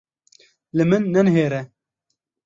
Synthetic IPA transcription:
lɨmɨnːɛnɦeːɾɛ

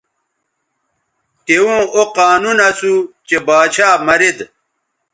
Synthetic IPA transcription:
t̪ewũːoqaːnunɐsut͡ɕebaːt͡ɕʰaːmɐɾed̪

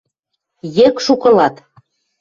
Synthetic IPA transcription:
jĕkʃukɤ̆lɑt̪

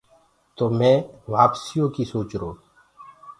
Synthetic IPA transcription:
t̪oːmɛ̃ːʋaːpsijõːkiːsoːt͡ʃɾoː

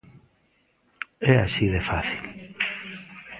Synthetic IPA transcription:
ɛasiðefaθil

